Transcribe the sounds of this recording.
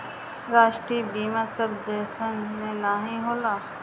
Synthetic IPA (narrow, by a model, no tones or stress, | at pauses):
ɾaːʃʈɾiːbiːmãːsəbd̪eːsənːẽnaːɦĩɦoːlaː